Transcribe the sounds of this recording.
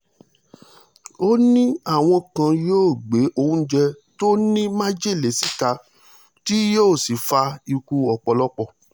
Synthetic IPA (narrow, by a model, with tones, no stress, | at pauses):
o˦nĩ˦a˦˨w̃ɔ̃˧kã˧joː˦˨ɡ͡be˨˦ʔo˧ũ˦d͡ʒɛ˧ | to˦nĩ˦mã˦d͡ʒe˦˨le˨si˦ka˧ | ti˦joː˦˨si˨fa˧i˧ku˧ɔ˧˨k͡pɔ˧lɔ˦k͡pɔ˦˨